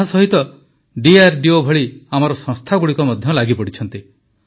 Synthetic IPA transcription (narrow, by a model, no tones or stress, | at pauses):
ɦasɔɦit̪ɔ | ɖiaɾɖiobʱɔɭiamɔɾɔsɔ̃ŋst̪ʰaɡuɽikɔmɔd̪ʱjɔlaɡipɔɽit͡ʃʰɔnt̪i